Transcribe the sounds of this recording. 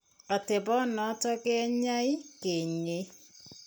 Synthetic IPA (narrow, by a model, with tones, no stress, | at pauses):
a˨te˨bɔ˦nɔ˨˦tɔ˦kɛ˦ɲa˦ɪ˦ke˨ɲe˦